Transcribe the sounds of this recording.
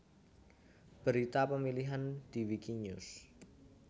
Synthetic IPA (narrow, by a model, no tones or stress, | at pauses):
b̥əɾit̪apəmiliɦand̪̥i̤wikiɲus